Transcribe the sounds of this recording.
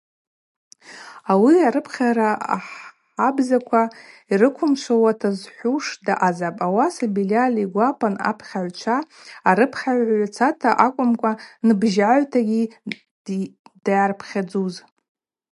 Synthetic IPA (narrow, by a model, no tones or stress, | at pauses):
awiaɾɨpʰχʲaɾaa̰ħ | abzakʷʰaiɾɨkʷʰʊmʃʷawatʰazħʷuʂdaʔazapʼawasabilaliɡʷapʼana̰pʰχʲaʕʷt͡ʃʷʰaːɾɨpʰχʲaʕʷʕʕʷt͡sʰatʰaʔakʷʼʊmkʷʼanɨbʒaʕʷtʰaɡʲi | d̥ajarpʰχʲad͡zuz